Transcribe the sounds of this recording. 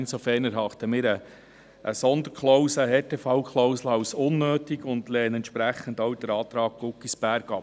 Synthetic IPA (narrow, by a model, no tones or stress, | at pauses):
nsofɛːɾnæɾɦɑχt̪əmɪːɾə | ʔəsɔnd̪əɾkχlɔʊsəɦɛːtefɑʊkχlɔwsləɑwsʊnːøːt̪iɡʊndlɛːnɛntʃpɾæχːəndowd̥əɾɑːt̪ɾɑːɡ̥̚ɡ̥ʊkːisb̥æɾɡ̥ɑp